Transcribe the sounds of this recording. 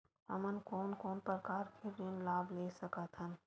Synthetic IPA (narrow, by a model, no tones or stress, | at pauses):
ə̰mənkoːnkɔːnpəkaːɾkʰebinlaːbleːsəkət̪ɦən